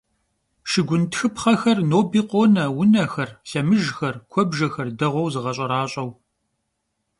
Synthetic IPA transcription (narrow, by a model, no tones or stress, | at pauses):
ʃɪɡʷʊntʰxɨpχɐxɐrnoːbiːqʷʼoːnɐwʊnɐxɐrɬɐmɨʒxɐrkʷʰɔbʒɐxɐrdɐʁʷɔwzɨʁɐɕʼɐɾaːɕʼɐw